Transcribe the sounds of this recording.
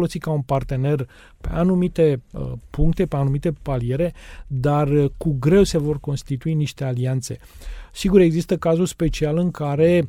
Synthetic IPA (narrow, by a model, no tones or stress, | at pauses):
lo̞sitkaunpart̪e̞ne̞r | pe̞̰ʔanumit̪e̞puŋkt̪e̞peanumit̪e̞palie̞ɾe̞d̪arkuɡɾe̞wse̞vo̞rko̞nst̪it̪uiniʃt̪e̞aliant̪se̞̰ | siɡuɾe̞ɡzist̪əkazulspe̞t͡ʃialɨŋkaɾe̞